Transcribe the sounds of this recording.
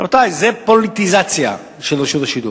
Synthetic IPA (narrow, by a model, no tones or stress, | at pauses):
ot̪ajzɛpolit̪izat͡sja̰ | ʃelʁiʃuvaʃid̪ṵ